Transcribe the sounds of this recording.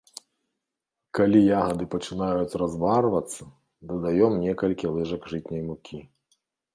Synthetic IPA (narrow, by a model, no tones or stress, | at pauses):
kalʲijaɣɐd̪ɨpɐt͡ʂɨnajut͡sʲrazvarvɐt̪sːɐ | d̪ɐd̪ajɔmnʲɛkɐlʲkʲilˠɛʐɐɡʐɨt͡sʲnʲɐjmukʲi